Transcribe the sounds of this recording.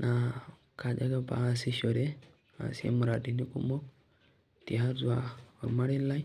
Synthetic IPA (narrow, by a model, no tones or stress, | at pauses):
na | kʰad͡ʒaɡapa̰siɕɔɾe | a̰sḛmɔɾaʈinikumɔk̚ | t̪iɦaɾd͡zuaɔmaɽilːaj